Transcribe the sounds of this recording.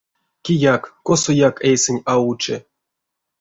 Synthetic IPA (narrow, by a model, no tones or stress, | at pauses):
kʲijakːosojakejsenʲaut͡ʃḛ